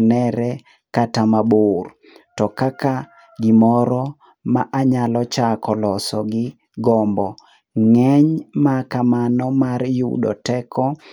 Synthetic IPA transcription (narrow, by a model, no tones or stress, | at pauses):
nɛɾɛ | katamabʊr | tɔkaka | ɡɪmɔɾɔ | maʔaɲalɔt͡ʃakɔlɔsɔɡɪ | ɡɔmbɔ | ŋɛɲmakamanɔmarjṵɗɔ̰tɛkʰɔ